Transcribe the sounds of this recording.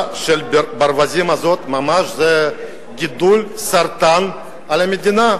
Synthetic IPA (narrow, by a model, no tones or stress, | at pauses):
ʃelʲbbaɾvazʲimazot̪mamaʒzɛ | ɡʲid̪ulʲsaɾt̪an | alʲamʲed̪ina